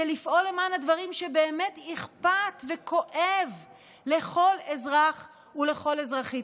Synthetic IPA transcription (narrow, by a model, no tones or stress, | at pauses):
elifʔo̞lemanadvaʁimʃebe̞ːme̞tiχpat̪vekʰo̞ʔev | le̞χo̞le̞zʁaχ | ule̞χo̞lezʁaχi